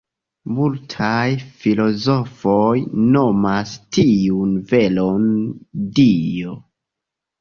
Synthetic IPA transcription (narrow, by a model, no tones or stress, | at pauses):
multʰajfilo̞zo̞fojno̞mastiunve̞londio